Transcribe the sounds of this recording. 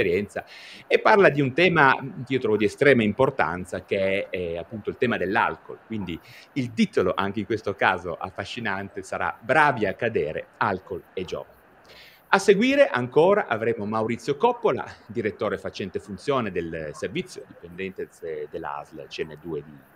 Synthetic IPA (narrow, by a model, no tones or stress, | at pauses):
eɾjɛnt̪saepːarlad̪iunt̪ɛːmaiːot̪ɾɔvod̪iest̪ɾɛːmaimport̪a̰nt̪sakeɛapːunt̪oilt̪ɛːmad̪elːa̰lko̰lkwind̪iilt̪it̪oloʔa̰ŋkeiŋkwest̪oka̰ːzo̰ʔa̰fːaʃːinant̪esaɾa̰bɾaːviakːad̪eːɾḛalkoled͡ʒɔ̰ːva | aseɡwiːɾeʔaŋkoːɾaʔavɾeːmomawɾit̪sːjokɔpːola̰d̪iɾet̪ːoːɾefat͡ʃɛnt̪efunt̪sjoːned̪elservit̪sːjod̪ipend̪ɛnt̪ed̪elːa̰zl̰t͡ʃɛnːed̪uːed̪i